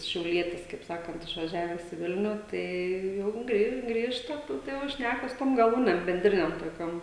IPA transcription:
ʃʲɛʊˈlʲiɛtʲɪs kɐɪp ˈsɑːkɐnt ɪʃʋɐˈʒʲæːʋʲɛs ɪ ˈʋʲɪlʲnʲʊ ˈtɐɪ ˈjɛʊ ɡrʲɪ ˈɡrʲiːʃtɐ ˈtʊ tɐɪ jɛʊ ˈʃʲnʲækɐ sʊ toːm ɡɐˈlˠuːnʲɛm bʲɛnʲˈdʲrʲɪnʲɛm toːˈkʲoːm

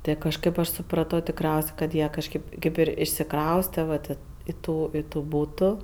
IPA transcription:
ˈtɜ kɐʃˈkɜp ɐʃ sʊˈprɑːtoː tʲɪkˈrʲɛʊsʲ kɐt ˈjiɛ kɐʃʲkʲeːp ˈkʲeːp ɪr ɪʃʲsʲɪˈkrɐʊsʲtʲɛ ʋɐ ˈtʲeː ɪ ˈtuː ɪ tuː ˈbuːtuː

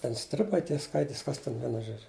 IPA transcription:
ˈtʲɛn ˈsʲtʲrʲɪbɐɪ ˈtʲiɛ ˈskɐɪtʲɪs ˈkɐs ˈtʲɛn ˈʋʲiɛnʊ ˈʒoːd͡ʒʲʊ

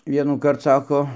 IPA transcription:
ʋʲiɛnuːˈkɐrt ˈsɑːkoː

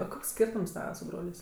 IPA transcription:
oː ˈkoːks ˈsʲkʲiːrtʊms ˈtɑːʋɐ sʊ ˈbroːlʲeːsʲ

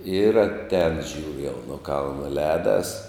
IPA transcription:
ɪr ɐtʲˈɛːn ˈʒʲuːrʲʊ jɛʊ nʊ ˈkɐlˠnɐ ˈlʲɛːdɐs

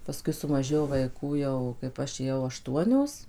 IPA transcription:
pɐˈskʊɪ sʊmɐˈʒʲeːjoː ʋɐɪˈkuː jɛʊ kɐɪp ˈɐʃ eːˈjɛʊ ɐˈʃtuɔnʲoːs

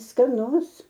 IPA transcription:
skɐˈnʊs

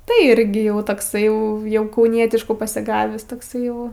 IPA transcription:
tɐɪ ˈɪrʲɡʲɪ ˈjɛʊ toːkˈsɐɪ ˈjɛʊ jɛʊ kɐʊˈnʲiɛtʲɪʃkuː pɐsʲɪˈɡɑːʋʲiːs toːkˈsɐɪ jɛʊ

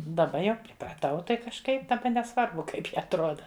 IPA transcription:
dɐˈbɐ jɛʊ pʲrʲɪprɐˈtɐʊ ˈtɐɪ kɐʃˈkɐɪp dɐˈbɐ nʲɛˈsʋɐrbʊ ˈkɐɪp jɪ ɐtˈroːdɐ

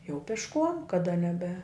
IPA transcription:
jɛʊ pʲɪʃˈkuɔm kɐˈdɐ nʲɛˈbʲɛ

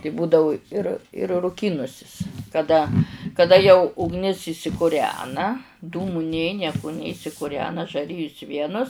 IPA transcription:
tɐɪ ˈbuːdɐʋʊ ɪr ɪr rʊˈkʲiːnʊsʲɪs kɐˈdɐ kɐˈdɐ jɛʊ ʊɡˈnʲɪs ɪʃʲsʲɪkʊˈrʲæːnɐ ˈduːmʊ ˈnʲeː ˈnʲiɛkʊ ˈnʲeː ɪʃʲsʲɪkʊˈrʲæːnɐ ʒɐˈrʲɪjʊs ˈʋʲiɛnʊs

